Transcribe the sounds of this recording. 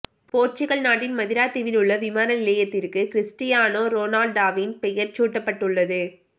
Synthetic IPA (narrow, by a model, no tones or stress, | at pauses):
poːɾt͡ʃɪɣɐɭnaːʈːɪnmɐðɪɾaːt̪ːɪʋɪlɯɭːɐʋɪmaːnɐnɪlɐjɐt̪ːɪrkɯkɪɾɪsʈɪjaːnoːɾoːnaːlɖaːʋinpɛjɐɾt͡ʃuːʈːɐpːɐʈːɯɭːɐðɯ